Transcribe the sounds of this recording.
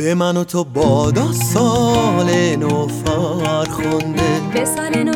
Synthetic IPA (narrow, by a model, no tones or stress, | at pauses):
bemænot̪ʰobɔd̪ɔsɔlenofɔɾxond̪ebesalen